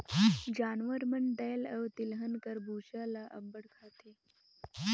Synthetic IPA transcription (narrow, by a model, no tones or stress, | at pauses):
d͡ʑaːnʋəɾməɳɖəjləwt̪ilɦənkəɾbuːɕalaʔəmbəɽkʰat̪ʰe